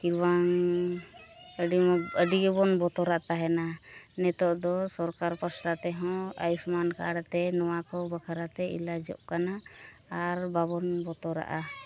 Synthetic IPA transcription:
kiɾwaŋ | əiəɖiɡɛbɔnbɔt̪ɔɾaʔt̪aɦɛnanɛt̪ɔʔd̪ɔsɔɾkaɾpɔsʈat̪ɛɦɔ̃a̰jusmanka̰ɽat̪ɛnɔwakɔbəkʰaɾat̪ɛḭlad͡ʒɔ̰ʔ̚kanaː | ɾbaβɔnbɔt̪ɔɾa̰ʔa

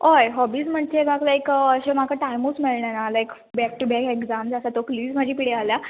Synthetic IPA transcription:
ojɦɔbiːd͡zm̤əɳ̚t͡ɕebaklajkəɕem̤akaʈajmusmeɭɳjanalajk | bɛk̚ʈubɛkekzamsasat̪okliːzm̤əd͡ʑʱiːpiɽealja

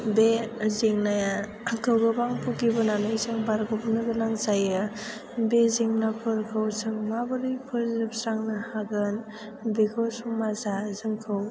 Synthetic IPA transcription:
beziŋnaja | akʰɯwɡɯbaŋpʰukibɯnanɯjzɯŋbaɾɡupnɯɡɯnaŋsajɯ | beziŋnapʰɯɾkʰɯwsɯŋmabɯɾipʰɯɾzɯp̚sɾaŋnɯhaɡɯn | bekʰɯwsuŋmazazɯŋkʰɯw

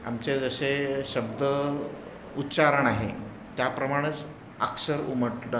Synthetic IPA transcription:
a̰mt͡sed͡zəɕeɕəb̚d̪ə | utːɕaɾəɳaɦḛ | t̪japɾəmaɽ̃ət͡s | əksəɾuməʈlə

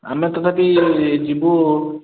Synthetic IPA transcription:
a̰met̪ɔt̪ʰapid͡ʒibu

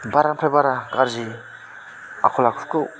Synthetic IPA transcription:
baɾampʰabaɾaɡaɾzi | a̰kʰɔlakʰukɯw

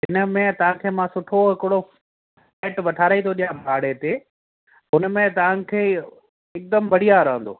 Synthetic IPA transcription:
ɦɪnə̆mẽt̪ɐʋ̤ãkʰeːmãsʊʈʰoɦɪkɪɽo | faɪʈʋɐʈʰaːɾait̪ʰoɗijãbʱaːɽet̪eː | ɦʊnəmẽt̪ɐʋ̤ãkʰeː | ɪk̚d̪əmbɐɽ̤ijaɾɐɦə̃nd̪o̰ː

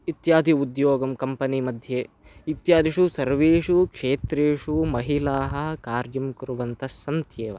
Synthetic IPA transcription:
it̪jaːd̪ʱiud̪joːɡɐmkɐmpɐnimɐd̪ʱjeː | it̪jaːd̪ʱiʂusɐɾʋeːʂukʂeːt̪ɾeːʂumɐɦilaːɦɐ̆kaːɾjɐmkuɾuʋɐnt̪ʰɐsɐmt̪jeːʋɐ̰

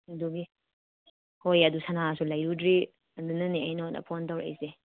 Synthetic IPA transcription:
dubi | hojɐdusanasulajɾudɾi | ɐndunaniajnɔnɐ̰pʰontawɾa̰jze

